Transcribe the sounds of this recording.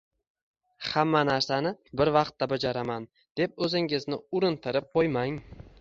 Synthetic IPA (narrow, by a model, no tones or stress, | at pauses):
hamːanaɾsanɪbɪɾvɑqt̪ːabad͡ʒaɾaman | d̪̥e̞p̚ɵzɪŋɪznɪʊɾɪnt̪ʰɪɾɪp̚qojmaŋ